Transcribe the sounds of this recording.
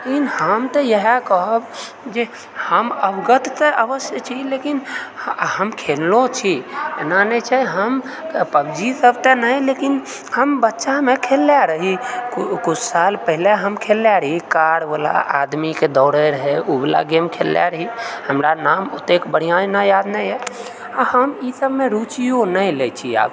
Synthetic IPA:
lekinhəmt̪ɔjəɦɛkɔɦɔb | d͡ʒe | həməbɡət̪t̪eʔəʋəsjət͡ʃʰilekin | ɦəmkʰellot͡ʃʰienanɛt͡ʃʰɛɦəm | pəbd͡ʒisəbt̪enəjlekin | həmbətːʃamekʰelːjaɾəɦikkut͡ʃʰsalpəɦileɦəmkʰelːjaɾəɦikaɽbəla̰ʔa̰d̪miked̪ɔʊɽəɾəɦɛubila̰ɡemkʰelːja̰ɾəɦihəmɾanamot̪ekbəɽ̤ijãenajad̪nəjɦɛ | ahəmisəbmeɾut͡ʃijonəjlet͡ʃʰia̰ːb

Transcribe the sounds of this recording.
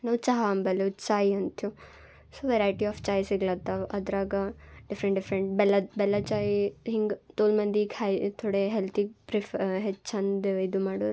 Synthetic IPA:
nɐʋt͡ʃɐɦaɐmbɐlut͡ʃaːjiɐnt̪ju | soːʋeɾajʈiɔːft͡ʃaːjsiɡlɐt̪ɐɐd̪ɾaːɡɐɖifɾeɳʈɖifɾeɳʈbɛlːɐbɛlːɐt͡ʃaːjiɦiŋɡt̪oːlmɐnd̪iɡhɐjt̪ʰoɽeɦelt̪ʰipɾifɦet͡ʃːɐnd̪id̪umaːɽoɾ

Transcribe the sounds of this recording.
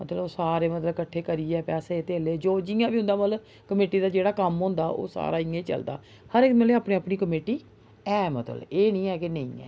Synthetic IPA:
mə̰t̪ləboːsaːɾeːmət̪ləbkəʈʰːeːkəɾiːɛːpɛːseːt̪eːleːd͡ʒoːd͡ʒɪjãːbiːʊ̃nd̪aːmət̪lə | kəmeːʈiːd̪aːd͡ʒeːɽaːkəmɦʊ̃ːnd̪aːʔo̰ːsa̰ːɾaːɪẽt͡ʃə̰ld̪a̰ː | həɾɪk̪məleːaːpneːaːpniːkəmeːʈiː | ɛːmət̪ə̰leːnĩːɛːkenəḭ̃ːɛ̰ː

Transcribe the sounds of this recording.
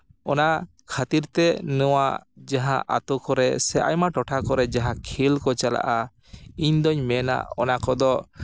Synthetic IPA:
ɔna | kʰat̪iɾt̪ɛnɔwad͡ʒaɦãʔa̰t̪ɔkɔɾɛsɛʔa̰jmaʈɔʈʰakɔɾɛd͡ʒaɦãkʰilkɔt͡ʃala̰ʔa | iɲd̪ɔɲmɛna̰ʔɔ̰nakɔd̪ɔ

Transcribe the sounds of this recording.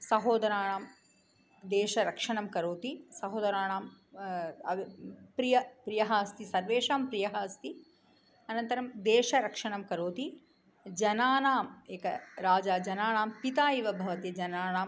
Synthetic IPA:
sɐɦoːd̪ɐɾaːɳaːm | d̪eːʃɐɾɐkʂɐɳɐmkɐɾoːt̪isɐɦoːd̪ɐɾaːɳaːm | ɐpɾijɐpɾijɐɦaːst̪isɐɾʋeːʂaːmpɾijɐɦaːst̪i | ɐnɐnt̪ɐɾɐmd̪eːʃɐɾɐkʂɐɳɐmkɐɾoːt̪i | d͡ʒɐnaːnaːmeːkɐɾaːd͡ʒaːd͡ʒɐnaːɳaːmpit̪aːiʋɐbʱɐʋɐt̪jid͡ʒɐnaːnaːm

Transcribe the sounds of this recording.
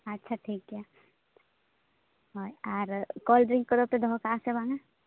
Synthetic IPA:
ɐtːʃʰaʈʰiːkːja | ɦoːjaːɾkɔːlɖɾɪ̃ŋkkːod̪ot̪ed̪ʱɔkaːsebãːŋɡa

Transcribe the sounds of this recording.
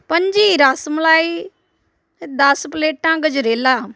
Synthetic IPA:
pəɲd͡ʒiːɾaːsmlaːi | d̪ɐspleːʈːãːɡəd͡ʒɾeːlaː

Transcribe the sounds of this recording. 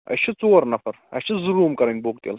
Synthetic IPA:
ɐ̰t͡ʃʰit͡soːɾnɐfɐɾɐ̰t͡ʃʰizuɾuːmkɐɾɐnʲboːkt̪ḛl

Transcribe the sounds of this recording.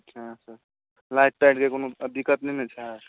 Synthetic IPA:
ɦãsəɾ | lajʈ̚ʈajʈkekonoəd̪ikət̪ninet͡ʃʰaɦ

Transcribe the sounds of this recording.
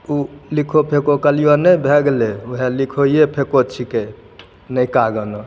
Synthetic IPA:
ulikʰopʰekokəlijonəbʱeɡleuɦelikʰojepʰekot͡ʃʰike | nəjkaɡənɔ

